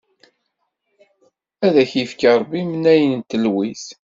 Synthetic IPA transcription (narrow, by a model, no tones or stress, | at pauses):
æðæçjifkɑɾˤbimənæjənnt̪əlwis